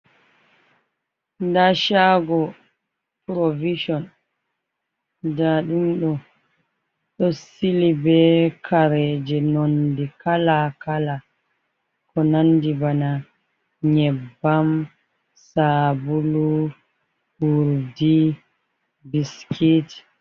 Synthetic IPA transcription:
daʃaɡɔ | pɾoviʃɔn | daɗumɗɔ | ɗɔsilibɛkʰaɾɛd͡ʒɛnondikalakala | kɔnandibana | ɲɛbːam | sabulu | huɾdi | biskʰit

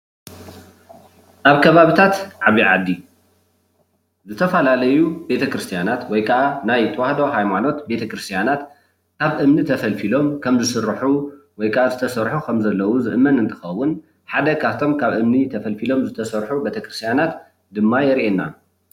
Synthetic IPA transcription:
ʔaβkʰɐβaβit̪ʰat̪ʕaβiʕa̰d̪ːi | zɨt̪ʰɐfɐlalɐjube̞t̪ʰɐkɾɨst̪ʰijanat̪wɔjkʰɐʔanajt̪ʰɐwahd̪o̞ɦajmano̞t̪be̞t̪ʰɐkɾɨst̪ʰjanat̪ | kʰaβʔɨmnit̪ʰɐfɐlfilo̞mkʰɐmzɨsɨrːħuwɔjkʰɐʔazɨt̪ʰɐsɐɾħukʰɐmzɐlːɐwuzɨʔɨmːɐnɨnt̪ʰɨ̥xɐwːʊn | ħad̪ɐkʰaft̪ʰo̞mkʰaβʔɨmnit̪ʰɐfɐlfilo̞mzɨt̪ʰɐsɐɾħube̞t̪ʰɐkɾɨst̪ʰjanat̪ | d̪ɨmːajɛɾʔenːa̰

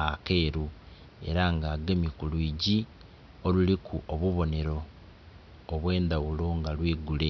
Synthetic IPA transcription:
ake̞ːɾu | e̞̰ɾaŋɡaːɡemikuluiɟi | o̞lulikʰuʔoβuβo̞ne̞ɾo̞ | βwe̞ːndawuloŋɡalwiːɡule̞

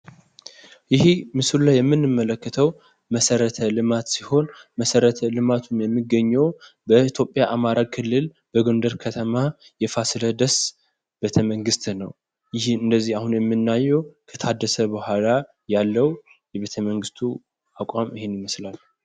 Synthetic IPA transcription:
jɪhimɨsulajɛmːɨnːɨmːələkːət̪ʰəw | məsəɾət̪ʰəlɨmat̪siho̞nməsəɾət̪ʰəlɨmat̪ʰumjɛmːɨɡəɲːɛw | bəit̪ʰjo̞pʼːjaʔamaɾaɡ̚kʰɨlːɨl | b̥əɡond̪əɾkʰət̪ʰəma | jɛfasləd̪əs | b̥et̪ʰəməŋɡɨst̪nə̰w | jɪhɨnd̪əzːihahunjɛmːɨnːajːɛwkʰə̥t̪ʰad̪ːəsəbəhʷala | jalːəw | jɛβet̪ʰəməŋɡɨst̪ʰu | akʼamɪhenjɪməslal

